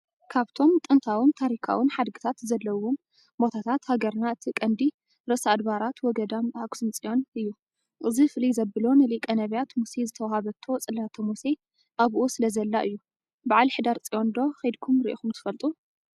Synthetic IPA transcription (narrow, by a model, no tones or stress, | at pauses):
kʰaβt̪ʰo̞mt̪ʼɨnt̪ʰawint̪ʰaɾikʰa̰wɨnħad̪ɡɨ̥t̪ʰat̪zɐlːɐwom | bo̞t̪ʰat̪ʰat̪haɡɐɾnaɨt̪ʰikʼɐnd̪i | ɾɐsad̪βaɾat̪wɔɡɐd̪amakʷsɨnt͡sʼijo̞nɨjːu | ʔɨzifɨlizɐbɨlo̞nɨlikʼɐnɐβijat̪musezɨt̪ʰɐwahaβɐt̪ʰːo̞t͡sʼɨlːat̪ʰɐmuse | ʔaβʔusɨlɐzɐlːaʔɨjːu | baʕalħɨd̪aɾt͡sʼijo̞nd̪o̞xɐjd̪kʰumɾiʔikumt̪ʰɨ̥fɐlt̪ʼu